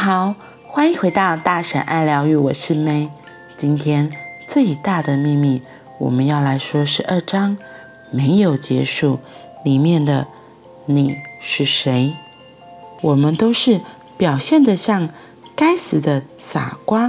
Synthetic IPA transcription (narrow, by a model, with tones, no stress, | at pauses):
xɑ˨˩˦ʊ | xwa˥ni˧˥ŋxwe˧˥ɪt̪ɑ˥˧ʊt̪a˥˩ʂə̰˨˩nʔa˥˩ɪljɑ˧˥ʊy˧˩wɔ˨˩ʂɻ̩˥˩me˥ɪ | t͡ɕi˥nt̪ʰjɛ˥nt͡swe˥˩i˨˩t̪a˥˩d̪ə˩mi˥˧ŋmi˥˩ | wɔ̰˨˩mə˦njɑ˥˩ʊla˧˥ɪʂwɔ˥ʂɻ̩˧˥ʔə˞˥˩ʈ͡ʂɑ˥ŋ | me˧˥ɪjo˨˩ʊt͡ɕjɛ̰˧˥ʂu˥˩ | li˨˩mjɛ˥˩nd̪ə˩ | ni˨˩ʂɻ̩˥˩ʂe˧˥ɪ | wɔ˨˩mə˦nt̪o˥ʊʂɻ̩˥˩ | pjɑ˨˩ʊɕjɛ˥˩nd̪ə˨ɕjɑ˥˩ŋ | ka˥ɪsɹ̩˨˩d̪ə˧˦sa̰˨˩kwa˥